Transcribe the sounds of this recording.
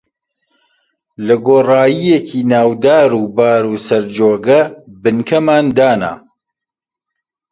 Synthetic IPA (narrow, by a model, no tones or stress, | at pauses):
lɐɡoːraːjijekʰiːnaːwd̪aːɾuːbaːɾuːsɐɾd͡ʒoːɡɐbɨnkʰɐmaːnd̪aːna̰ː